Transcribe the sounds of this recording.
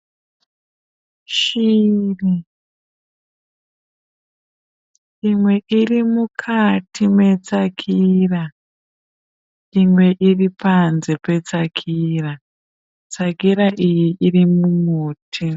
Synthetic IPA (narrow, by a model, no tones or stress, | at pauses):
ʃiːri | imwe̞ʔirimukʰatʰime̞t͡sakʰira | imwe̞ʔiripanze̞pe̞t͡sakʰiːra | t͡sakiɾaʔijiʔirimumuːtʰi